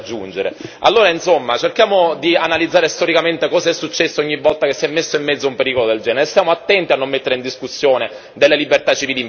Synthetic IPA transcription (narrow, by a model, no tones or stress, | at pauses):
d͡ʒːund͡ʒeɾḛa̰lːoːɾainsomːat͡ʃerkjaːmod̪ianalid̪zːaːɾest̪ɔɾikament̪ekɔːsaɛsːut͡ʃːɛsːooɲːivːɔlt̪akesːijɛmːesːoimːɛd̪zːoumpeɾikolod̪eld͡ʒɛːneɾest̪jaːmoat̪ːɛnt̪ianːomːet̪ːeɾeind̪iskusːjoːne | d̪elːelibert̪at͡ʃːiviːli